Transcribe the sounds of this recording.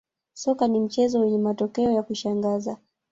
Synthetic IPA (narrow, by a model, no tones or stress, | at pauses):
sɔkanim̩t͡ʃɛzɔwɛɲɛmatɔkɛɔjakuʃaŋɡaza